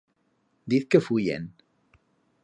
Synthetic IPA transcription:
d̪iðkəfujɛ̰n

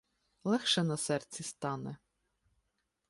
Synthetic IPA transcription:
lˠɛxʃɛnɐsɛrt͡sʲist̪ɑnɛ

